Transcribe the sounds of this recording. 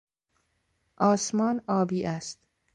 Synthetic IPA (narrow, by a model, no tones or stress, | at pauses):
ʔɒːsmɒːnɒːbiːʔæst̪